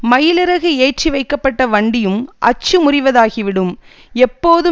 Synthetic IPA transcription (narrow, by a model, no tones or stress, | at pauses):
mɐjɪlɪɾɐɣɯeːʈ̚ʈriʋɐɪkːɐpːɐʈːɐʋɐɳɖɪjɯmʔɐ̰t͡ʃːɯmʊrɪʋɐðaːɣiʋɪɽɯm | ɛpːoːðɯ